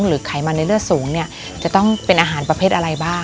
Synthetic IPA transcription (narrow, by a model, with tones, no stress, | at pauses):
ŋɾɯː˩˦kʰa˨˩˦jmaː˧na˧jɾɯ˥˩ək̚suː˩˦ŋni˥˩ɐ | t͡ɕa˨˩t̪ɔ˥˩ŋpe˧nʔaː˧ɦaː˩˦npɾa˧pʰeː˥˩t̪ʔa˧ɾa˧jbaː˥˩